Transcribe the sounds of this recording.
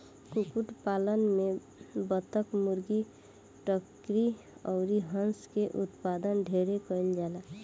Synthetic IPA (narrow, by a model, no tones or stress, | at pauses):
kukuʈpalənme | bət̪əkmuɾɡi | ʈək | ɾi | ɔʊɾiɦənskeʔut̪pad̪ənɖʱeɾekəind͡ʒala